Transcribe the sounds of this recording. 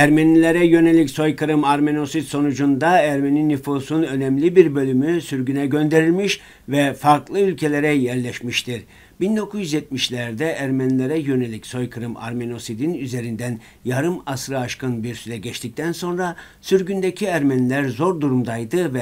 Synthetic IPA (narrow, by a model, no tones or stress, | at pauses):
æɾmenilʲeɾɛjø̞nelʲicso̞jkʰɯɾɯmaɾme̞no̞sit̪so̞nud͡ʒund̪aæɾmeninːyfusunø̞nɛmlʲibiɾbø̞lʲymysyɾɟynɛɟø̞nd̪e̞ɾilʲmiʃ | vɛfaɾklˠɯylʲcʰe̞lʲeɾɛjæɾlʲɛʃmiʃt̪ʰiɾ | bind̪o̞kʰuzjyzjɛt̪̚miʃlʲæɾd̪ɛʔæɾmenilʲeɾɛjø̞ne̞lʲicso̞jkʰɯɾɯma̰ɾmeno̞sid̪inyze̞ɾind̪æn | jaɾɯmasɾɯaʃkɯnbiɾsyɾɛɟɛt͡ʃt̪ic̚t̪ʰænso̞nɾa | syɾɟynd̪ecʰiæɾmenilʲæɾzo̞ɾd̪uɾumd̪ajd̪ɯvɛ